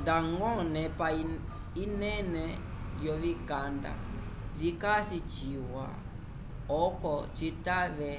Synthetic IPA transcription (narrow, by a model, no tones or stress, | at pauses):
daŋɡɔnɛpa | inɛnɛ | jɔvikanda̰ | vikasit͡ʃiwa̰ | ɔkɔt͡ʃitaβɛ